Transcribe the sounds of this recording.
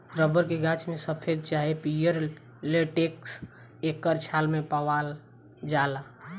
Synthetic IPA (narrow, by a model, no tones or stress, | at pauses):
ɾəbəɾkeɡat͡ʃmesəpʰed̪̚t͡ʃaɦepijəɾ | leʈeks | ekːəɾt͡ʃʰalmepəwal | d͡ʒala